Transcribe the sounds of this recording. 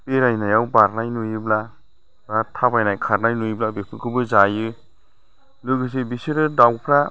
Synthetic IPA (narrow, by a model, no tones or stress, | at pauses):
peɾajnajawbaɾnajnujɯbla | batʰabajnajkʰaɾnajnujblabepʰɯkʰɯbɯzajɯ | lɯɡɯs̬ibisɯɾɯdawpʰɾa